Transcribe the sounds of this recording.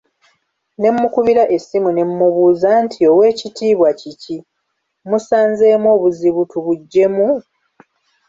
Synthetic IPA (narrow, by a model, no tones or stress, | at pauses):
ne̞mːukuβiɾaʔe̞sːimune̞mːuβuːzantʰio̞we̞ːcitiːβwacici | musaːnze̞ːmo̞ːβuziβutuβuɟːe̞mu